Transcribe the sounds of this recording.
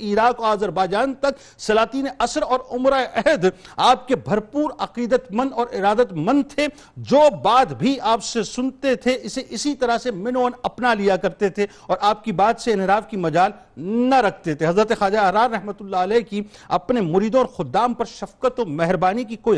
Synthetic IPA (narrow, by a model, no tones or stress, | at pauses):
iːɾaːkoaːzəɾbaːd͡ʒaːnt̪ɐk | sɐlaːt̪iːneʔɐsɾɔːɾʊmɾaeʔɛɦd̪aːp̚kebʱɐɾpuːɾɐqiːd̪ət̪mɐ̃nd̪ɔːɾɪɾaːd̪ət̪mɐ̃nd̪̚t̪ʰe | d͡ʒoːbaːd̪bʱiaːpsesʊnt̪et̪ʰeɪseʔɪsit̪ɐɾəɦsemɪnoːnɐpnalijakɐɾt̪et̪ʰe | ɔːɾʔaːp̚kibaːd̪seɪ̃nɦɪɾaːfkimɐd͡ʒaːl | nɐɾɐkʰt̪et̪ʰeɦɐzɾət̪exaːd͡ʒaɐɦɾaːɾɾɛɦmət̪ʊlːaəlɛːki | ɐpnemʊɾiːd̪õɔːɾxʊd̪ːaːmpɐɾʃɐfqət̪ɔmɛɦɾbaːnikikoːi